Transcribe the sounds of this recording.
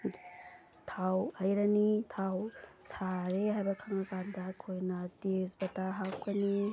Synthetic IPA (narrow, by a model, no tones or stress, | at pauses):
tʰawhɐjɾɐnitʰawsaɾeɦajbɐkʰaŋɐkandɐkʰojnɐtesbɐtaɦakʰɐni